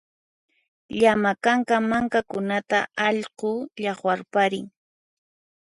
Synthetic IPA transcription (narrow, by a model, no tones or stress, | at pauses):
ʎamakaŋkamaŋkakʊnat̪a̰ɑʎqʊʎɑχwaɾpaɾɪŋ